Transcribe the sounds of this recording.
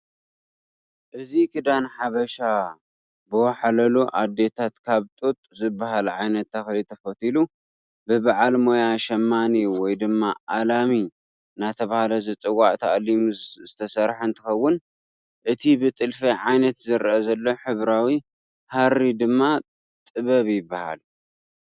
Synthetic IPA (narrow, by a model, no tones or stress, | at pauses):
ʔɨzikʰɨd̪anħaβɐʃa | bɨwɐħalɐluʔad̪ːe̞t̪ʰat̪kʰaβt̪ʼot̪ʼzɨbːaɦalʕajnɐt̪ʰːɐxlit̪ʰɐfɐt̪ʰilu | bɨbaʕalmo̞jaʃɐmːaniwɔjd̪ɨmːaʔalami | nat̪ʰɐβahalɐzɐt͡sʼɨwaʕt̪ʰɐʔlimzɨt̪ʰɐsɐɾħɨnt̪ʰɨxɐwːʊn | ʔɨt̪ʰibɨt̪ʼɨlfɐʕajnɐt̪zɨɾʔɐzɐlːo̞ħɨβɾawi | haɾːid̪ɨmːa | t̪ʼɨβɐβjɪbːaha̰l